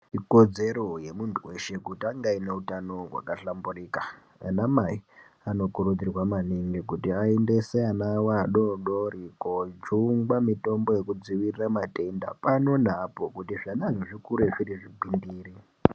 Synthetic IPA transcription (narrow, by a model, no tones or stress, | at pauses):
iko̞d͡ze̞ɾo̞je̞muntʰuwe̞ʃe̞kutiaŋɡaine̞utano̞ɦwa̰kaɬamburika | a̰namai | ano̞kuɾud͡zirwamaniŋɡikutiaendeseanawaɗo̞ɗoɾikod͡ʒuŋɡwamito̞mbo̞je̞kud͡ziʋiriramate̞nda̰pano̞napo̞kutiʐanaʐoʐikuɾeʐiriʐibʱindiːri